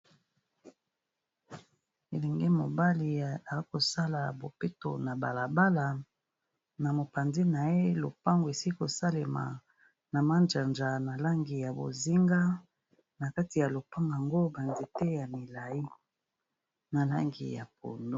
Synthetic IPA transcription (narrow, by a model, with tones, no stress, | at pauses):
e˨lɛ˨ŋɡe˦mo˨ba˦li˨a˨˦ko˨sa˦la˨bo˨pe˦to̰˨na˨ba̰˨la˨ba˦la˨ | na˨mo˨pa˨nzi˦na˨je˦lo˨pa˦ŋɡo˨e˨si˦i˦ko˨sa˦le˨ma̰˨ | na˨ma˦nd͡ʒa˨nd͡ʒa˨na˨la˦ŋɡi˨ja˨bo̰˨zi˦ŋɡa˦ | na˨ka˦ti˨ja˨lo˨pa˦ŋɡa˨ŋɡo˦ba˨nzi˨tɛ˦ja˨mi˨la˨i˦ | na˨la̰˦ŋɡḭ˨ja̰˨p̚o̰˨ndo˦